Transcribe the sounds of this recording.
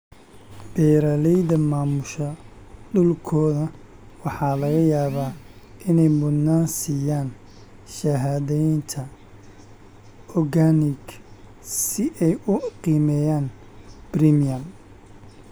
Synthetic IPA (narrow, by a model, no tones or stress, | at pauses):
b̥ɛjɾalɛjðɐmaːmʊʃɐ | ɖʊlkʰɔːðɐ | wɑħɑːlɐɣɐjaːβaː | ʔɪnɛjmʊd̪naːnsiːjaːn | ʃɐɦaːðɛjnt̪ʰɐ | ɔrɣaːnɪɡ | sɪʔɛjʊqiːmɛjaːn | b̥rimijɐm